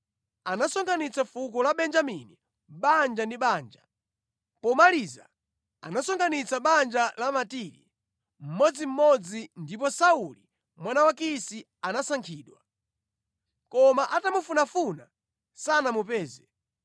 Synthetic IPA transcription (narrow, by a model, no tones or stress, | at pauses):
anasɔŋɡanit͡safuk̬ɔlaɓɛnd͡ʒamini | ɓand͡ʒandiɓaːnd͡ʒa | pɔmaliza̰ | anasɔŋɡanit͡saɓand͡ʒalamatiɾḭ | m̩mɔd͡zim̩mɔd͡zindip̬ɔsauli | mwanawakisi | anasaŋkʰiːɗwa | kɔmaʔatamufunafuna | sanamupɛːzɛ